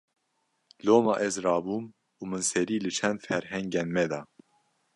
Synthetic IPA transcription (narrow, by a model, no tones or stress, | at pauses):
loːmɑːʔɛzrɑːbuːm | uːmɨnsɛɾiːlɨt͡ʃʰɛnd̪fɛɾɦɛŋɡɛnmɛd̪ɑː